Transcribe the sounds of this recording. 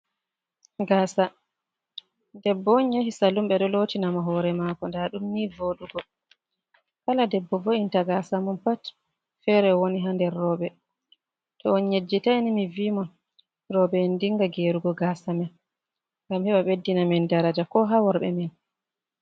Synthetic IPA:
ɡaːsa | dɛbːɔɲɲohisalumɓɛɗɔloːtinamɔɦɔɾɛmaːkɔndaɗumnivoɗuɡɔ | kaladɛbːɔvointaɡasamɔnpat | fɛɾɛwoniɦandɛɾːɔːɓɛ | tɔːnɲed͡ʒːitanimiviːmɔn | ɾɔɓɛːndiŋɡaɡeɾuɡɔɡasamɛn | ŋɡamhɛɓaɓedːinamɛndaɾad͡ʒakɔɦawɔɾɓɛ̰mɛn

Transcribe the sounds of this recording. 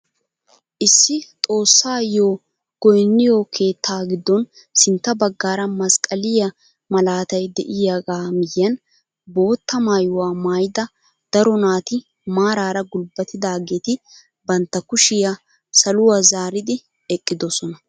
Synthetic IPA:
ʔɪsːɪt̪ʼo̞ːsːaːjoː | ɡ̥ɔjnːɪjoːkʰe̞ːt̪ʰːaːɡɪd̪ːɔn | sɪnt̪ːɐbɐɡːaːɾɐmɐskʼɐlɪjɐ | mɐlaːt̪ɐjd̪ɛʔɪjaɡaːmɪjːɐn | bo̞ːt̪ːɐmaːjʊwaːmaːjd̪ɐ | d̪̥ɐɾɔnaːt̪ɪ | maːɾaːɾɐɡʊlbɐt̪ːɪd̪aːɡeːt̪ɪ | bɐnt̪ːɐkʊʃɪja | sɐlʊwaːzaːɾɪd̪ɪ | ɛkʼːɪd̪ɔsɔnɐ

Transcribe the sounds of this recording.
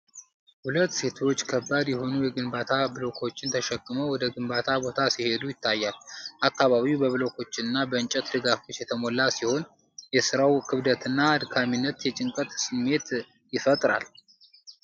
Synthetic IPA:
hulət̪ːse̞t̪ʰo̞t͡ʃːkʰəbːad̪jɛho̞nujɛɡɨmbat̪ʰabɨlo̞kʰo̞t͡ʃːɪnt̪ʰəʃɛkʼːɨməwɔd̪əɡɨmbat̪ʰabo̞t̪ʰasihe̞d̪ujɪt̪ʰːajːalʔakːaβaβiwbəβɨlo̞kʰo̞t͡ʃːɪnɨnːabəɨnt͡ʃʼɛt̪d̪ɨɡafo̞t͡ʃːjɛt̪ʰəmolːasiho̞n | jɛsɨɾawkʰɨβd̪ət̪ɨnːaːd̪kʰaminːət̪jɛt͡ʃʼɪŋkʼət̪sɨmːe̞t̪ | jɪfət̪ʼɾa̰l

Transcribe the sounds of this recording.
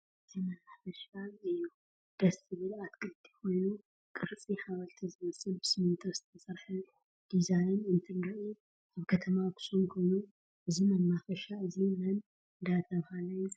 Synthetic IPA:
ʔɨzʰimɐlafɐʃaɨjːu | d̪̥ɐsɨβɨlat̪kʰɨlt̪ʰi̥ko̞jnu | kʼɨɾt͡sʼihaβalt̪ʰizɨmɐsɨlbɨsɨmɨnt̪ʰɐz̥ɨt̪ʰɐsɐɾħɨ | d̪̥izajnɨnt̪ʰɨŋɡaʔi | ʔaβkʰɐt̪ʰɐmakʰʊ̥sʼunkʰojnu | ʔɨzimɐnːafɐʃaɨzimɐn | ɨnd̪at̪ʰɐβhalɐju

